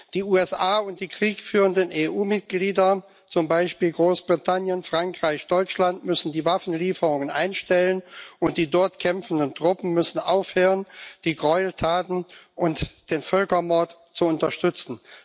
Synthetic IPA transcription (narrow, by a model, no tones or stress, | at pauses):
d̥iːuːɛsʔaːʊnt̚d̥iːkʁ̥iːkfyːʁəndəneːʔuːmɪt̚ɡ̥liːdɐ | t͡sʊmbaɪʃpiːlɡʁoːsb̥ʁitʰanjənfʁ̥aŋkʁ̥aɪçd̥ɔʏt͡ʃlantmʏsn̩diːvafn̩liːfəʁʊŋənʔa̰ɪnʃtɛlənʊnt̚d̥iːdɔɐtkʰɛmfn̩dəntʁ̥ʊpn̩mʏsn̩ʔaʊfhøːʁənd̥iːɡʁɔʏltʰaːtn̩ʔʊntd̥eːnfœlkɐmɔɐt | t͡suʊntɐʃtʏt͡sn̩